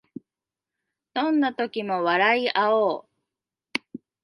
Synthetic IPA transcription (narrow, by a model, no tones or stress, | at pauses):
d̪̥õ̞nːat̪o̞kʲimo̞βaɾaiʔaoː